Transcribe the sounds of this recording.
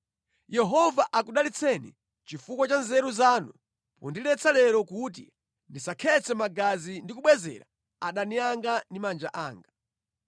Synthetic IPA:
jɛɦɔvaʔakuɗalit͡sʰɛnḭ | t͡ʃifukwat͡ʃanzɛɾuzaːnu | pɔ̰ndilɛt͡sʰalɛɾɔkut̬ḭ | ndisakʰɛt͡sʰɛmaɡazindikuɓwɛzɛ̰ɾa̰ | aɗaniaŋɡandimand͡ʒa̰ʔaːŋɡa

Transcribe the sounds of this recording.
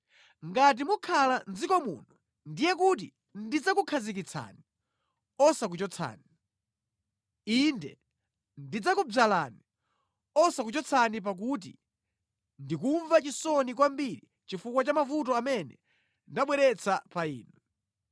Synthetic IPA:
ŋɡat̬imukʰaland͡zikɔmṵːnu | ndijɛkut̬ḭ | ndid͡zakukʰazik̬it͡sʰa̰ni | ɔsak̬ut͡ʃɔt͡sʰa̰ːni | indɛ̰ | ndid͡zakubalani | ɔsakut͡ʃɔt͡sʰanip̬ak̬ut̬ḭ | ndikuɱvat͡ʃisɔnikwambiɾi | t͡ʃifukwat͡ʃamavutɔamɛnɛ̰ | ndaɓwɛɾɛt͡sʰapaiːnɛ

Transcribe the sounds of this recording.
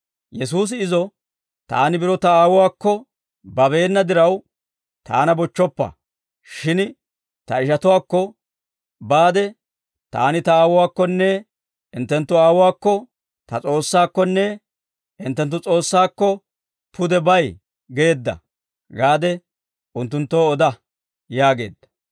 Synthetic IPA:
jɛs̬uːs̬ɪɪzɔ | t̪a̰ːnɪbɪɾɔt̪ɐaːwʊwaːkːɔ | bɐbe̞ːnːɐd̪ɪɾɐw | t̪a̰ːnɐbɔt͡ʃːɔpːɐ̰ | ʃɪn | t̪ɐɪʃɐt̪ʊwaːkːɔ | baːd̪ɛ | t̪a̰ːnɪt̪ɐaːwʊwaːkːɔnːɛ | ɪnt̪ːɛnt̪ːʊaːwʊwaːkːɔ | t̪ɐt͡sʼo̞ːsːaːkːɔnːɛ | ɪnt̪ːɛnt̪̬ːʊt͡sʼo̞ːsːaːkːɔ | pʰʊd̪ɛbɐj | ɡe̞ːd̪ːɐ̰ | ɡaːd̪ɛ | ʊnt̪ːʊnt̪ːoːɔd̪ɐ | jaːɡe̞̰ːd̪ːɐ̥

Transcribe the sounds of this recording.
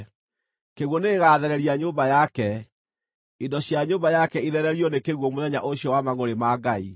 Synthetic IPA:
keɣwɔneɣaːðɛɾɛɾiaɲoːmbajakɛ | indɔɕjaɲoːmbajakɛiðɛɾɛɾiɔnekeɣwɔmoðɛɲaʔoɕjɔwamaɣoɾemaːɡai

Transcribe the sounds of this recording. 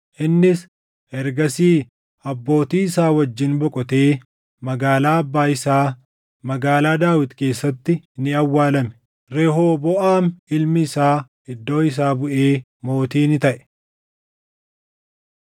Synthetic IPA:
ʔɪnːɪs | ɛɾɡɐsiː | ɐbːo̞ːt̪iːɪsaːwɐd͡ʒːɪnbɔkʼɔt̪e̞ː | mɐɡaːlaːɐbːaːɪsaː | mɐɡaːlaːd̪aːwɪt̪ke̞ːsːɐt̪ːɪnɪɐwːaːlɐmɛ̥ | ɾeɦoːbɔʔaːnɪlmɪːsaː | ɪd̪ːo̞ːɪs̬aːbʊʔe̞ː | mo̞ːt̪iːnɪt̪ɐʔɛ̥

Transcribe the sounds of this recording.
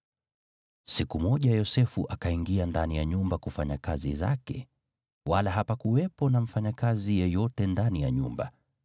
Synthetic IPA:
sikumɔʄajɔsɛfuʔakaiŋɡiandanijaɲumbakufaɲakazḭza̰kɛ̰ | walaɦapakuwɛpɔnam̩faɲakazijɛjɔtɛndanijaɲṵmba

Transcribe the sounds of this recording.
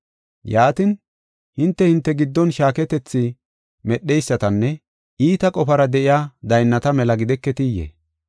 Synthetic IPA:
jaːt̪ɪn | hɪnt̪ːɛhɪnt̪ːɛɡɪd̪ːɔnʃaːkɛt̪ɛt͡sːɪ | mɛɗːɛjsːɐt̪ɐnːɛ | iːt̪ɐkʼɔfɐɾɐd̪ɛʔɪjaːd̪ɐjnːɐt̪ɐmɛlɐɡɪd̪ɛkːɛt̪ɪjḛ

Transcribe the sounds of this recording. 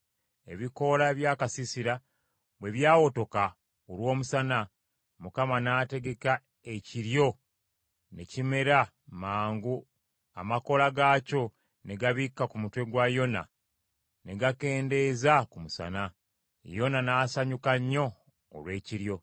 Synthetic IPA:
e̞βiko̞laβjaːkasisiɾa | βwe̞βjaːwo̞to̞ka | olwo̞ːmusana | mukamanaːte̞ɡe̞ka | e̞ciɾjo̞ | ne̞cime̞ɾa | maːŋɡu | a̰mako̞laɡaːco̞ | ne̞ɡaβikːakumutwe̞ɡwajo̞na̰ | ne̞ɡake̞ːnde̞zakumusa̰na | jo̞nanaːsaɲukaɲːo̞̰ː | lwe̞ːciɾjo̞

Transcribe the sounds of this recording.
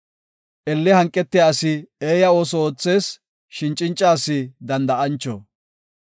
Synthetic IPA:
ʔɛlːɪhɐŋkʼːɛt̪ːɪjaːsɪeːjɐo̞ːsɔoːt͡sːe̞ːs | ʃɪnt͡ʃʼɪnt͡ʃʼːaːsɪd̪ɐnd̪ɐɐnt͡ʃːɔ̰

